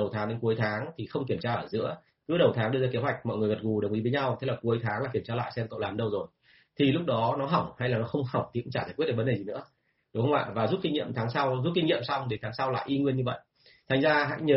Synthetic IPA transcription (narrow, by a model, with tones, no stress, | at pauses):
ə˨˩wt̪ʰaː˨˦ɗe˨˦nku˨˦əjt̪ʰaː˨˦ŋt̪ʰi˨˩xə˧wŋ͡mki˧˩əmt͡ɕaː˧ʔəː˧˩zɨ̰˧˥ə | kɨ˨˦ɗə˨˩wt̪ʰaː˨˦ŋɗɨ˧əzaː˧ke˨˦ɦwa˨˩jk̟̚mɔ̰˧˨jŋ˨˩əjvə˨˩t̚ɣu˨˩ɗə˨˩wŋ͡mi˨˦ve˨˦ɲa˧wt̪e˨˦laː˨˩ku˨˦əjt̪ʰaː˨˦ŋlaː˨˩ki˧˩əmt͡ɕaː˧la̰ː˧˨jsɛ˧mkə̰˧˨wlaː˨˩mɗə˧wzo˨˩j | t̪ʰi˨˩lʊ˦˥k͡p̚ɗɔ˨˦nɔ˨˦ɦa˧˩wŋ͡mha˧jlaː˨˩nɔ˨˦xə˧wŋ͡mha˨˧˩wŋ͡mt̪i˨˩˨t͡ɕaː˧˩t̪ʰaː˨˩kwt̚ɗəː˧˩vnɗe˨˩zi˨˩nɨ̰˧˥ə | ɗʊ˨˦ŋ͡mhə˧wŋ͡ma̰ː˧˨vaː˨˩zu˦˥t̚kï˧ŋ̟ɲḭ˧əmt̪ʰaː˨˦ŋsa˧wzu˦˥t̚ki˧ŋɲḭ˧˨əmsa˧wŋ͡mɗe˨˦t̪aː˨˦ŋsa˧wla̰ː˧˨jʔi˧ŋwi˧ənɲɨ˧və̰˧˨jʔ | t̪ʰa˨˩ŋzaː˧ɦa̰˧˥jɲəː˨˦